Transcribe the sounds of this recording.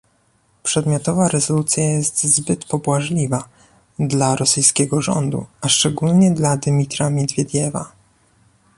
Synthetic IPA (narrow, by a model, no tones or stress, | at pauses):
pʂɛd̪mʲjɔt̪ɔvaɾɛzɔlut̪sʲjajɛst̪zbɘt̪pɔbwaʐlʲiva | d̪laɾɔsɘjskʲɛɡɔʐɔ̰nd̪ṵaʂt͡ʂɛɡulɲɛd̪lad̪mʲit̪ɾamʲjɛd̪vʲjɛd̪ʲjɛva̰